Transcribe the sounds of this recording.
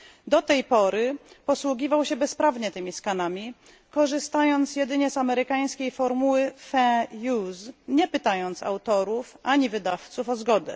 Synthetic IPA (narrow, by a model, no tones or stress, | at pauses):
d̪ɔt̪ɛjpɔɾɘpɔswuɡʲivawɕɛbɛspɾavɲɛt̪ɘmʲiskanamʲi | kɔʐɘst̪ajɔnt̪sjɛd̪ɘɲɛzamɛɾɘkaj̃skʲejfɔɾmuwɘfɛ̃juzɲɛpɘt̪ajɔnt̪sa̰wt̪ɔɾufʔaɲivɘd̪aft̪sufɔzɡɔd̪ɛ̰